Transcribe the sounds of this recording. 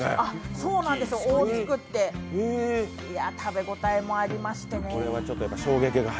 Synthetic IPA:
aso̞ːnãnd̪e̞sɨjooːt͡sɨ̥kɯ̟t̪ːe̞ | iat̪ʰabe̞ɡo̞t̪aimo̞aɾʲimaɕi̥t̪e̞neoɾeβat͡ɕo̞t̪ːojapːaɕo̞ːɡe̞kiɡa

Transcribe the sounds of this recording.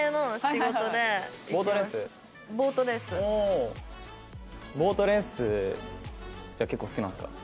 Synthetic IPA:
enoɕiɡo̞od̪e̞boːt̪oɾẽsɨ | bo̞ːt̪oɾẽ̞sɨo | bo̞ːt̪oɾẽ̞ɰ̃sɨ | d͡ʑake̞kːoːsɨ̥kʲinãñsɨ̥ka̰

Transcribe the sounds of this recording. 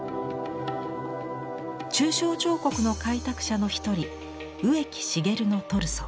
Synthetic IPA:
t͡ɕɨːɕo̞ːt͡ɕo̞ːko̞kɯ̟no̞kait̪akɯ̥ɕano̞çi̥t̪o̞ɾʲi | ɯ̟e̞kʲi̥ɕiɡe̞ɾɯ̟no̞t̪o̞ɾɯ̟so

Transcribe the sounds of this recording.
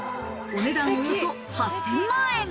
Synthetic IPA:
oned̪ãŋɡojoso | hassemːae

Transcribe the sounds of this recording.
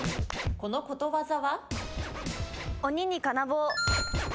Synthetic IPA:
ko̞noko̞t̪oβazaβa | oɲ̟ʲiɲikanaboː

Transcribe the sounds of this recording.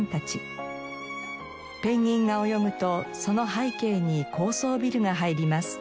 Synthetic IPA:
nt̪at͡ɕi | pẽ̞ɲ̟ːĩŋɡao̞jo̞mɯ̟t̪o̞so̞no̞ɦaike̞ːɲ̟ikʰo̞ːso̞ːbʲiɾɯ̟ɡaɦaiɾʲimasɨ̥

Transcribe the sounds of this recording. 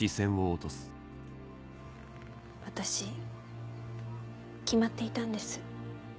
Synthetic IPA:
isẽ̞ɰ̃oːt̪o̞sɨ̥ | βwat̪aɕi | kʲimat̪ːe̞it̪ãnd̪e̞sɨ̥

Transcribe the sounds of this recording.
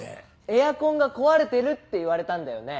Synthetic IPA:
e̞jakõ̞ŋɡako̞βaɾe̞t̪e̞ɾɯ̟t̪ːe̞iβaɾe̞t̪ãnd̪ajo̞̰ne̞

